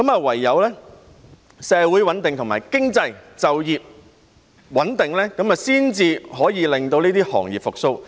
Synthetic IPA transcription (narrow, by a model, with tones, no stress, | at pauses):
kɐ˨˥mɐː˨˧wɐ˨˩jːɐ˨˧wlɛː˥ | sɛː˨˧wu˨˥jwɐ˨˥nt̪ɪ˨ŋt̪ʰʊ˨˩ŋma̰ː˨˩jkɪ˥ŋt͡sɐ˧jt͡sɐ˨wjiː˨p̚ | wɐ˨˥nt̪ɪ˨ŋlɛː˥kɐ˨˥maː˨siː˥nt͡siː˧ɦɔː˨˥jiː˨˧lɪ˨ŋt̪o˧wniː˥t̪iː˥hɔ̰ː˨˩ŋjiː˨p̚fʊ˨k̚so˥˧w